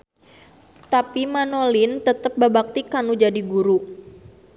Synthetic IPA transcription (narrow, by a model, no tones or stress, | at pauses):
t̪apimanolɪnt̪ət̪əp̚bəbak̚t̪ikanud͡ʒadiɡuɾu